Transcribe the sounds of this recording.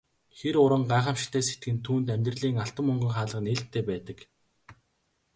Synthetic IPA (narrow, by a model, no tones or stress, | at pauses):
xeɾʊɾə̆ŋɢaːχə̆mʃ̆t̪ʰeːse̥t̪̚ɡɘ̆nt̪ʰuːnt̪æmʲt̪rəɮiːŋaɬt̪ə̆mɵŋɡə̆ŋχaːɮə̆neɮt̪ʰːeːpæːt̪ə̆k